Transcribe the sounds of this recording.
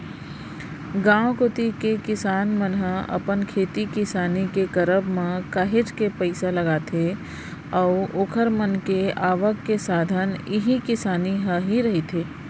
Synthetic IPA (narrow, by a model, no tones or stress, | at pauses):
ɡãːwkʊt̪ikekɪsaːnmənɦəɐ̰pənkʰeːt̪ikɪsaːnikekəɾəbmãkaɦɪt͡ʃkepəɪsaləɡaːt̪ʰe | ɔʊoːkʰəɾmənkeaːʋəkːesaːd̪ʱənɪɦikɪsaːniɦəɦiɾɐɦit̪ʰeː